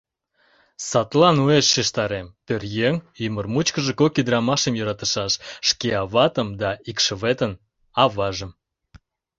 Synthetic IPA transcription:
sɑt̪lɑnueʃːeʃt̪ɑɾempørjeŋymərmut͡ɕkəʒekokid̪əɾɑmɑʃemjøɾɑt̪əʃɑʃːkeɑβɑt̪əmd̪ɑikʃəβet̪ən | ɑβɑʒəm

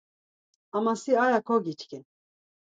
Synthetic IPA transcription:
amasiajakʰoɡit͡ʃkin

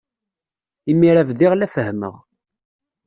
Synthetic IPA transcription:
imːiɾævðiʁlæfəhmə̰ʁ

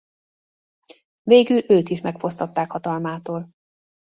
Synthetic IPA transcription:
veːɡyløːt̪iʃmɛkfo̞st̪ɒt̪ːaːkhɒt̪ɒlmaːt̪oːl

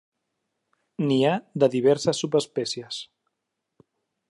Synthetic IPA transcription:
niad̪əðiβ̞ɛɾsəsːupəspɛsiəs

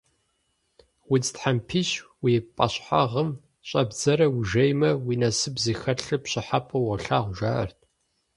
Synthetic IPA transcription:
wit͡stħampʰiɕwiːpʼɐɕħa̰ʁəm | ɕʼɐbd͡zɐɾɐwʒɐjmɐwiːnɐsɨbziːxɐɬɨpɕɪħapʰʼɨwɐɬaːʁʷʊʒaːɐ̰rtʰ

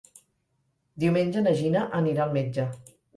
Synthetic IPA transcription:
d̪iwmenʲd͡ʒənəʒinəʔəniɾaəlˠmed͡ʒə

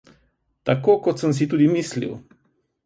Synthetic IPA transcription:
t̪akokot̪səms̬it̪uːd̪imislḭw

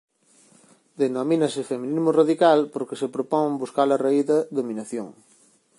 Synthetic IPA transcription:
d̪enominɐsefemĩnizmʊraðikalpoɾkesepɾopɔŋbuskalɐraiðɐðomĩnaθjo̰ŋ

